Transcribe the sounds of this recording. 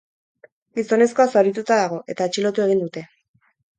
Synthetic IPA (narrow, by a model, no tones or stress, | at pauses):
ɡiso̞ne̞sko̞asoɾit̪ut̪aðaɣ̞o̞ʔe̞t̪aet͡ʃilo̞t̪ue̞ɣ̞ind̪ut̪e̞